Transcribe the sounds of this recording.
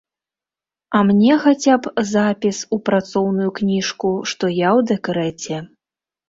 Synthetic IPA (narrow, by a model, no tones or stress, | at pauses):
ɐmnʲɛxat͡sʲapzapʲisupɾat̪sɔwnujuknʲiʂkuʂt̪ɔjawd̪ɛkɾɛt͡sʲɛ